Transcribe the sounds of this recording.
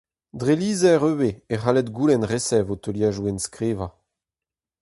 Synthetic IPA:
dʁeliːzɛʁøweeχalɛt̪ɡuːlɛnʁesɛvot̪øljaːʒuɛnskʁeːva

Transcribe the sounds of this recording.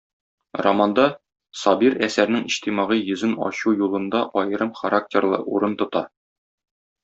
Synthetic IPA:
rɐmɑnd̪ɑ | sɒbiɾæsæɾnɘŋiɕt̪imɑʁijɵ̆zɘnɒ̰ɕujulˠɤ̆nd̪ɑʔɒjɤ̆ɾɤmχɐɾak̚tʲerlˠɤ̰ʔuɾɤnt̪ŏt̪ɑ

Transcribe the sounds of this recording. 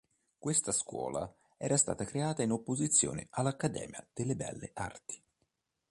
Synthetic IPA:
kwest̪askwɔ̰ːla̰ | ɛːɾʔast̪a̰ːt̪akɾeaːt̪ainopːozit̪sːjo̰ːnḛʔalːakːad̪ɛ̰ːmja̰d̪̥elːebɛ̰lːeʔa̰rt̪i̥

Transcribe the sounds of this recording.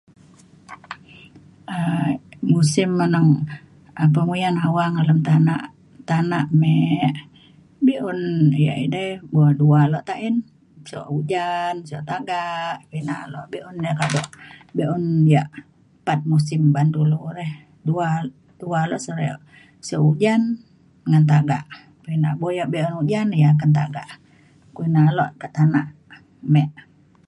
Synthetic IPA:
əmusimːənəŋ | əp̬əmujanɦawaŋaləmt̪anaʔ | t̪anaʔmɛʔ | biʔunja̰ʔidəbuadualɔʔt̪aʔin | sɔ̰ʔud͡ʒansɔ̰ʔt̪aɡaʔpinaʔloʔbiʔundɛkadɔʔbɛʔunjaʔ | pat̪̚musimbant̪uluuɾɛh | dua | dualɔʔsəɾ̰ʔ | sɔʔud͡ʒan | ŋant̪̬aɡa̰ʔ | kuina̰ʔbojaʔbɛʔunud͡ʒanjak̬ant̪̬a̰ɡa̰ʔ | kuinalɔʔkaʔt̪anaʔ | mɛʔ

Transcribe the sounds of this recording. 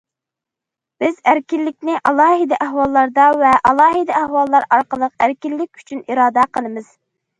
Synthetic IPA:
b̥ɪzæɾkʲilːɪkʲnɪʔɑlˠɑːɦɨd̪ɛʔæɦwɑlˠːɑɾd̪ɑvɛʔɑlˠɑːɦɨd̪ɛæhwɑlˠːɑɾɑɾqəlˠəqæɾkʲilːɪk̚ʲy̥t͡ʃʰyniɾɑːd̪æqʰəlˠɨmɨz̥

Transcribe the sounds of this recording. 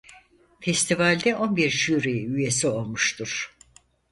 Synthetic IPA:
fɛst̪ʰivalʲd̪ɛʔo̞nbiɾʃyɾejyjesio̞lˠmuʃt̪ʰuɾ̥

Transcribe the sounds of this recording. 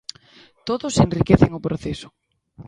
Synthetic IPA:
t̪oðosenrikeθeŋʊpɾoθesʊ̥

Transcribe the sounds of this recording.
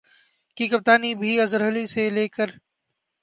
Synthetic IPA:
kikɐp̚t̪aːnibʱiɐzəɾɦəliseleːkəɾ

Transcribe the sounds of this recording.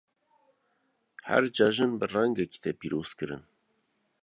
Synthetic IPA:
hæ̰ɾd͡ʒɑːʒɨnbɨrɛŋɡɛki̥t̪ʰɛpiːɾoːz̥kɨɾɨ̰n

